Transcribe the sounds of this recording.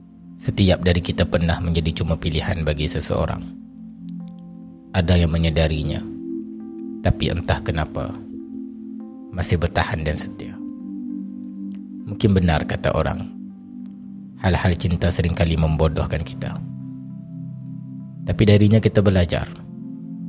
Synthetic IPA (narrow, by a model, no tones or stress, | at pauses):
sət̪iap̚daɾikit̪apərnahməɲd͡ʒadit͡ʃumapilihanbaɡisəsə̰o̰ɾa̰ŋ | ʔadajaŋməɲədaɾiɲa̰ | t̪apiʔə̰nt̪ahkənapa̰ | masɪhbərt̪ahandansə̥t̪ia | mũŋkɪnbənarkat̪a̰ʔo̰ɾa̰ŋ | halhalt͡ʃint̪asəɾɪŋkaliməmbodɔhkanki̥t̪a̰ | t̪apidaɾiɲakit̪abəlad͡ʒa̰r